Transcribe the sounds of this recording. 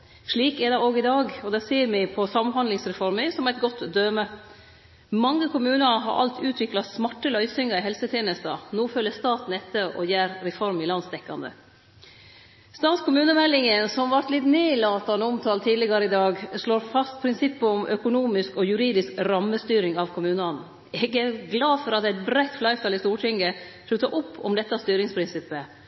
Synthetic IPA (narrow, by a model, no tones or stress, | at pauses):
ʂɭiːkɛd̪ɛoːɡɪd̪ɑːɡɔd̪ɛsiːəɾmɪpʰɔsɑmhɑnd̪lɪŋsɾɛfɔɾmɪsɔmæɪt̪ɡɔt̪ːd̪øːmə | mɑŋːəkʰʊmʉːnəɦɑ̰ɾʔɑ̰lt̪ʰʉːt̪ʰʋɪklɑsmɑʈːəlœʏsɪŋəɾɪɦɛlsət̪ʰjeːnəst̪ɑnoːføːlːəst̪ɑːt̪nɛt̪ːəɾɔ̰jæːɾːɛfɔɾmɪlɑnst̪ɛkːɑnd̪ə̰ | st̪ɑːt̪skʰʊmʉːnəmɛlːɪŋənsɔmʋɑɾt̪lɪt̪neːlɑːt̪ːɑnoʊmt̪ʰɑːlt̪ʰiːd̪lɪɡɑɾəɪd̪ɑːɡʂloːɾfɑst̪̚pʰɾɪnsɪpːəɔmʔœkʊnuːmɪskɔjʉɾiːd̪ɪskɾɑmːəst̪yːɾɪŋɑʋkʰʊmʉːnɑn | ɛɡæɾɡlɑːfɔɾɑt̪æɪt̪̚bɾæɪt̪flɑɪft̪ɑːlɪst̪uːʈʰɪŋɡəflʉt̪ːɑʔʊpːɔ̰md̪ɛt̪ːɑst̪yːɾɪŋspʰɾɪnsɪpːə